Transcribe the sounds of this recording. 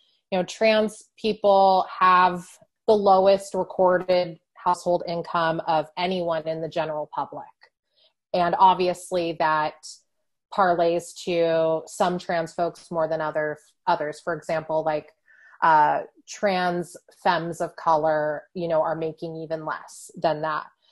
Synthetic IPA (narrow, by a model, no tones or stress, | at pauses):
jɨnoʊtʰɹ̥æ̃nz̥pʰipl̩ˠəv | ðəloʊɨst̚ɹəkʰɔɹɾɪd̚ | haʊshoʊlˠdɪ̃nkʰʌ̃mʌvɛniwʌ̃nɨ̃nðɨd͡ʒɛnə˞l̩ˠpʰʌblɪk̚ | ɨ̃nɑbviɨsliðət̚ | pʰɑɹəleɪz̥tʰɨsʌ̃mtʰɹ̥æ̃nz̥foʊksmɔɹðɨ̃nʌðə˞ | ʌðə˞z̥fə˞ɨɡzæ̃mpl̩ˠlaɪk | ʔʌtʰɹ̥æ̃nz̥ | fɛ̃mzʌv̥kʰʌlˠə˞jɨnoʊə˞meɪkɪ̃ŋivɨ̃nlɛ̰sðɨ̃nðæ̰t̚